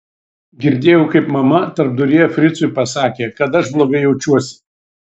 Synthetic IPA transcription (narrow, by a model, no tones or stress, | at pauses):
ɡʲɪɾʲd̪ʲeːjɛʊkɐɪpmɐmɐt̪ɐɾp̚d̪ʊɾʲiːjfʲɾʲɪt̪sʊɪpɐsɑːkʲeːkɐt̪ɐʃblˠoːɡɐɪjɛʊt͡ʃʲuɔsʲɪ̥